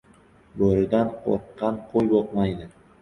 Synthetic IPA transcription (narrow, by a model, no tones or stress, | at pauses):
boɾɪd̪anqʰo̰ɾqːɑnqʰojboqmɑjd̪ɪ